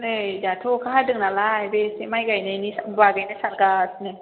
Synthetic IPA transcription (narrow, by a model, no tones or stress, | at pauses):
nejjaːt̪ʰoːkʰaɦaːdɯŋnaːlaːjbesemajkajnaniswaːkajnasankaːsni